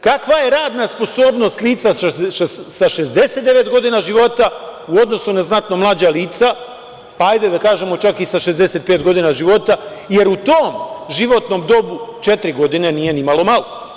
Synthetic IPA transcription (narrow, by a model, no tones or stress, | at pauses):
kakʋaje̞ɾaːd̪naspo̞so̞ːbno̞st̪liːt̪sa | saʃe̞zd̪e̞set̪d̪e̞ʋe̞t̪ɡo̞d̪inaʒiʋo̞t̪auo̞d̪no̞sunaznat̪no̞mlˠaːd͡ʑaliːt̪sa | paajd̪ed̪akaːʒe̞mo̞t͡ʃakisaʃe̞zd̪e̞se̞t̪̚peːt̪ɡo̞d̪inaʒiʋo̞t̪aje̞ɾut̪oːmʒiʋo̞t̪no̞md̪o̞but͡ʃe̞t̪ɾiɡo̞d̪ine̞nije̞nimalˠo̞malˠo